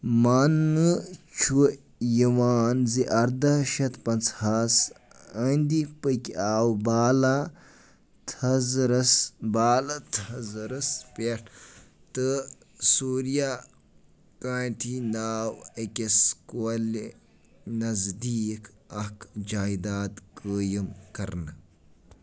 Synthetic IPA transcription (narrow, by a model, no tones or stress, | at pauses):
maːnːɨt͡ʃʰu | jiʋaːnziʔɐɾd̪ɐʃɐt̪pɐnt͡sʰhas | ənʲd̪ipəkʲiaːwbaːla | t̪ʰɐzɾɐsbaːlɐt̪ʰhɐzɾɐspeʈʰ | t̪ɨ | suːɾija | kaːnʈʰinaːwɐkʲeskol | nɐzd̪iːk | ɐkd͡ʒaːjd̪aːt̪kəːjimkɐɾnɨ